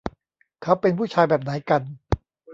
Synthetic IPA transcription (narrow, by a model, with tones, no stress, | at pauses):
kʰa˦˥wpe˧npʰuː˥˩t͡ɕʰaː˧jbɛː˨˩p̚na˩˦jka˧n